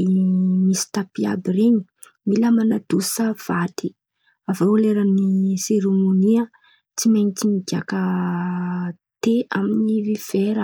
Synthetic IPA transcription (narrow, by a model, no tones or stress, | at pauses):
imisi̥t̪apia̰bireɲi | miləmanad̪usav̥at̪i | avaleɾaniseɾemoniə | t͡simaɲit͡simiɡʲakə | t̪eaminiviv̥eɾə